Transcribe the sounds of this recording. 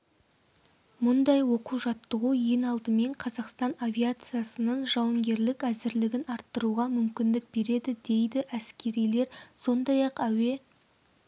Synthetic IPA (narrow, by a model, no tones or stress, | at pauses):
mʊnd̪ɑjwo̞quʒɑt̪ːəʁuje̞nɑlˠd̪əme̞ɴqʰɑzɑqst̪ɑnavʲijat̪sɨjasənəɴʒɑwəŋɡʲe̞ɾlɪkæzɪɾlɪɡʲɪnɑɾt̪ːəɾuʁɑmʏmkʲɪnd̪ɪk̚be̞ɾe̞d̪ɪd̪e̞jd̪ɪʔæskʲe̞ɾijle̞ɾso̞nd̪ɑjɑqæwe̞